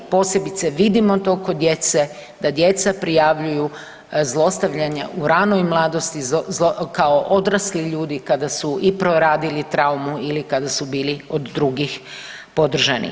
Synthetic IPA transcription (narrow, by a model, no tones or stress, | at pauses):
po̞ːsje̞bit̪seʋid̪imot̪oko̞d̪je̞t̪se | d̪ad̪je̞t̪sapɾijaʋʎuju | zlˠo̞st̪aʋʎaɲaʔuɾanojmlˠaːd̪o̞st̪izokaoʔo̞d̪ɾasliʎuːd̪ikad̪asuʔipɾoɾaːd̪ilit̪ɾaumuilikad̪asubiːliod̪ːɾuɡix | po̞d̪r̩ʒanḭ